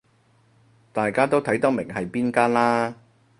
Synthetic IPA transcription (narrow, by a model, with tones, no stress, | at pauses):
t̪aː˨jkaː˥t̪o˥wt̪ʰɐ˨˥jt̪ɐ˥mɪ˨˩ŋɦɐ˨jpiː˥nkaː˥nlaː˥